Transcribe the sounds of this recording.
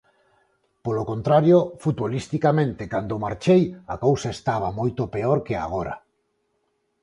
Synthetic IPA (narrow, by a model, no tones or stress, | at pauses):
polokont̪ɾaɾjofut̪βolist̪ikamẽnt̪ɪkand̪omaɾt͡ʃejakowsaest̪aβamojt̪opeoɾkea̰ɣ̞oɾa̰